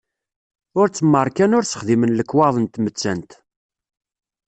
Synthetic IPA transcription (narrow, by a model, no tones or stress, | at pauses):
ʊɾt͡sːəmːəɾˤkænʊɾt͡sːə̥χðimənləkːwɑðˤənt̪mət͡sːænt̪